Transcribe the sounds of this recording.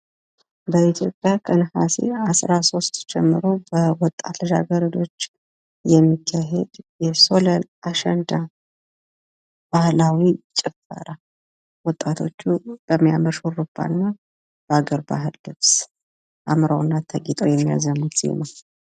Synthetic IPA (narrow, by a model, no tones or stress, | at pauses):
bəit̪ʰjo̞pʼjakʰənhasḛasɾaso̞st̪d͡ʒɛmːɨɾo̞bəwɔt̪ʼːat̪ləʒa̰ɡəɾəd̪o̞t͡ʃː | jɛmːikʰːaɦed̪jɛso̞ləlaʃənd̪a | b̥ahlawit͡ʃʼɪfə̰ɾa | wɔt̪ʼːat̪ʰo̞̰t͡ʃːub̥əmːijaməɾʃorɨbːa̰nːa | b̥əaɡəɾba̰ɦɨlːɨβs | ʔamɾawnːat̪ʰəɡit̪ʼo̰jɛmːija̰zəmːut̪sḭma